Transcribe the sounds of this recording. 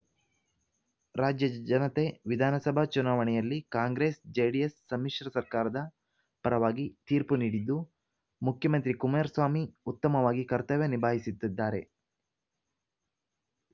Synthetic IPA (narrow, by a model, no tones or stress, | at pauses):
ɾaːd͡ʒjɐd͡ʒɐnɐt̪e̞ʋid̪ʱaːnɐsɐbʱɐt͡ʃunaːʋɐɳɛjɐlːikaːŋɡɾe̞ːsd͡ʒeːɽijesːɐmːiʂɾɐsɐɾkaːɾɐd̪ɐ | pɐɾɐʋaːɡit̪iːɾpuniːɽid̪ːu | mukʰjɐmɐnt̪ɾikumeːɾsʋaːmiut̪ːɐmɐʋaːɡikɐɾt̪ɐʋjenibʱaːɦisit̪ːid̪ːaːɾe̞̰